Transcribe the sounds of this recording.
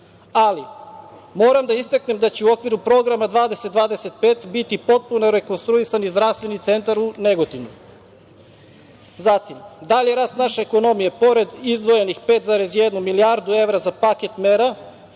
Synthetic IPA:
ali | mo̞ːɾamd̪aist̪akne̞md̪at͡ɕeuo̞kʋiɾupɾo̞ɡɾamad̪ʋaːd̪e̞set̪̚d̪ʋaːd̪eset̪̚pe̞ːt̪bit̪ipo̞t̪̚punoɾe̞ko̞nst̪ɾuisanizd̪ɾaʋst̪ʋe̞nit̪se̞nt̪aɾuneɡot̪iʋno | zat̪imd̪aʎjeɾaːst̪naʃe̞ːko̞no̞mijepo̞ɾe̞d̪izd̪ʋo̞je̞nixpe̞ːt̪zaɾe̞zjed̪numiliaɾd̪ue̞ʋɾazapaket̪meɾa

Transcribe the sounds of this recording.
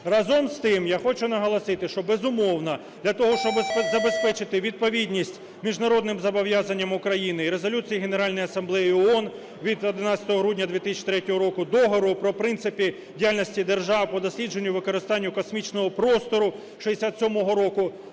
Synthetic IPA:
rɑzɔmst̪ɪmjaxɔt͡ʃʊnɐɦɐlˠɐsɪt̪ɪʃt͡ʃɔbezʊmɔwnɐ | d̪lʲɐt̪ɔɦɔʃt͡ʃɔbzɐbe̞spɛt͡ʃɪt̪ɪʋʲid̪̚pɔʋʲidʲnʲisʲtʲ | mʲiʒnɐɾɔd̪nɪmzɐbɔʋjazɐnʲːɐmʊkɾɐjinɪiɾe̞zɔlʲut͡sʲijiɦeneɾɑlʲnɔjiɐsɐmblˠɛjiɔɔn | ʋʲid̪ɔd̪ɪnɑsʲɐt̪ɔɦɔɦɾudʲnʲɐd̪ʋʲit̪ɪsʲt͡ʃi̥t̪ɾɛtʲɔɦɔɾɔkʊd̪ɔɦɔɾʊpɾɔpɾɪnt̪sɪpʲi | dʲijalʲnɔsʲtʲid̪erʒɑwpɔd̪ɔsʲlʲid͡ʒe̞nʲːʊʋɪkɔɾɪst̪ɑnʲːʊkɔsmʲit͡ʃnɔɦɔpɾɔst̪ɔɾʊ | ʃiesʲat̪sʲɔmɔɦɔɾɔkʊ

